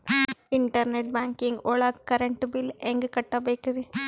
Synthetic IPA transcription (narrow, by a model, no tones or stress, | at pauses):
ɪɳʈɐɾnɛʈ̚baːŋkɪŋɡɔɭɐkkːɐɾɛɳʈːbɪlɛŋɡɯkɐʈːɐbɐɪkːɐðɯ